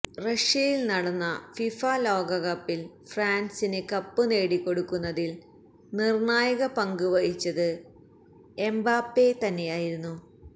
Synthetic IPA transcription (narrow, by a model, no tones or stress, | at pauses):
rɐʂjɐjilnɐɽɐnːɐfifaːlo̞ːɡɐɣɐpːil | fraːnsinɨkɐpːɨne̞ːɽikːo̞ɽukːunːɐðil | nirɳaːjɐɣɐpɐŋɡuʋɐjit͡ɕːɐðɨ | embaːpːe̞t̪ɐnːejaːjiɾunːu